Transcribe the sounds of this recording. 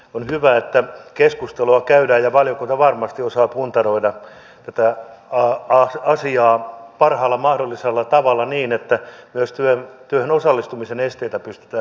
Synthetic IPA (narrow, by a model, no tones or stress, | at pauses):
onhyʋæet̪ːækeskust̪eluɑkæydæːjjɑʋɑljokunt̪ɑʋɑrmɑst̪iosɑːpunt̪ɑroidɑ | t̪æt̪æɑɑsɑsiɑːpɑrhɑːlːɑmɑhdolːiselːɑt̪ɑʋɑlːɑniːnet̪ːæmyøst̪yønt̪yøhenosɑlːist̪umisenest̪eit̪æpyst̪y̥t̪æː